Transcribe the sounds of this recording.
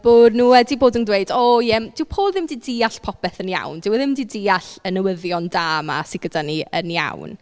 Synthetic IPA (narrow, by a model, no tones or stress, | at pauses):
b̥ʊdnuːɛdiboːdəndweɨdɔjɛmd̥ɪwpʰoːlˠðɪmdiːdiːaɬpʰɔpɛθənja̰wndɪwɛðɪmdiːdɪaɬənəwəðjɔndaːma̰sɪɡ̥ədaniə̰nja̰wn